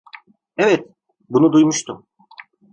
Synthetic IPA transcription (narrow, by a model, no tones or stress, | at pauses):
ɛvɛt̪̚ | bunud̪ujmuʃt̪ʰum